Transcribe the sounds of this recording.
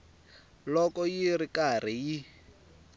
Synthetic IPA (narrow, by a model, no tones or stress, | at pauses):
lɔkɔjirikar̤iji